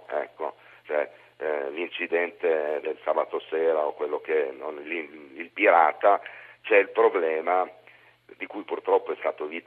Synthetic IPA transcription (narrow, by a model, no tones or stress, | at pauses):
ɛ̰kːo̰ | t͡ʃoɛ | lint͡ʃid̪ɛnt̪ed̪elsaːbat̪osɛːɾaokwelːok̟enonliilpiɾaːt̪at͡ʃɛilpɾoblɛːma | d̪ikujpurt̪ɾɔpːoɛst̪aːt̪ovit̪